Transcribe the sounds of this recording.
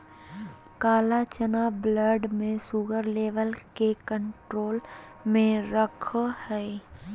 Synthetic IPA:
kaːlat͡ʃənaːbləɖmẽsuːɡəɾleːʋəlkekə̃ɳʈɾoːl | mẽɾəkʰhɛː

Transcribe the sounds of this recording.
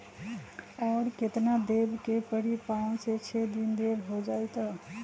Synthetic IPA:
ɔːɾket̪nad̪ebkepəɽipaset͡ʃʰɛd̪ind̪ebɦod͡ʒaːjt̪a

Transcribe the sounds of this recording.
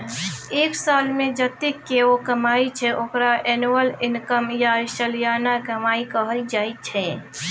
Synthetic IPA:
eːksaːlmẽd͡ʒɐt̪ɪkːeokɐmaːit͡ʃʰɛʔoːkɾaʔɛːnwəlɪnkəmjaʃəljaːnakɐmaːikəɦɾid͡ʒaːit͡ʃʰɛ

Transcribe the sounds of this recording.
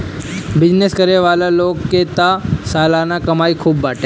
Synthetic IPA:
bɪd͡ʒneskɐɾeʋaːlaloːɡket̪asaːlaːnakɐmaːikʰuːbːaːʈẽː

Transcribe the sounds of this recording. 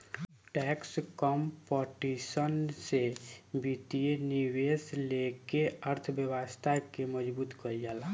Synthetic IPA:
ʈɛkskɔmpɔʈisənsebit̪ieniweslekeəɾt̪ʰbjəwəst̪ʰakeməd͡ʒbuːt̪kəɾijala

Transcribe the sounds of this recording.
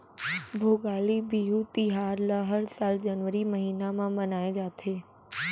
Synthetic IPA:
bʱoːɡaːlibiɦut̪iɦaːɾləɦəɾsaːld͡ʒənʋəɾiməɦiːnamãmɐnaːed͡ʒaːt̪ʰeː

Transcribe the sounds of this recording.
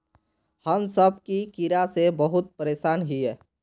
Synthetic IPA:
həmsəb̚ʱkikiɾasebəɦʊt̪̚pəɾeːsaːnɦiɛː

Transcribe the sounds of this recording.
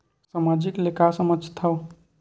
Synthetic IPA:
samad͡ʒiklekasəməd͡ʒʱt̪ʰə

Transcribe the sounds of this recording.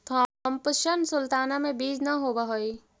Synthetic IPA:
t̪ʰɔmpəʃənsʊlt̪aːnamẽbiːd͡ʒnaɦoːbaɦoi

